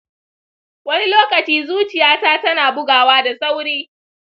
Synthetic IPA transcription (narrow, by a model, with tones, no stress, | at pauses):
wɐ˦ni˦loː˦kɐ˨t͡ʃiː˦zuː˦t͡ʃɪ˨jaː˦taː˦tɐ˦naː˨bʊ˦ɡaː˨waː˦da˨sa˦wɽeː˦